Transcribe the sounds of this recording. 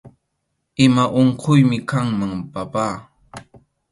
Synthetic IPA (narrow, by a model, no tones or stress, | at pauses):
ɪmaʔoɴqʰʊjmɪkaŋmaŋpapaː